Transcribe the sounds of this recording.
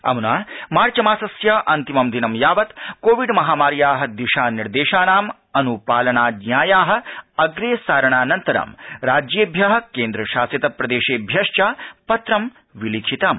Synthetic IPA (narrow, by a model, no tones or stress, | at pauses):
ɐ̰munaːmaːɾt͡ʃɐmaːsɐsjɐʔɐnt̪imɐmd̪inɐmjaːʋɐt̪koːʋiɖmɐɦaːmaːɾjaːɦɐ̆d̪iʃaːniɾd̪eːʃaːnaːm | ɐnupaːlɐɳaːd̪nʲjaːjaːɦɐ̆ɐɡɾeːsaːɾɐɳaːnɐnt̪ɐɾa̰mɾaːd͡ʒjeːbʱjɐɦɐ̆keːnd̪ɾɐʃaːsjɐt̪ɐpɾɐd̪eːʃeːbʱjɐʂt͡ʃaːpɐt̪ɾɐm | ʋiliːkʰit̪aːm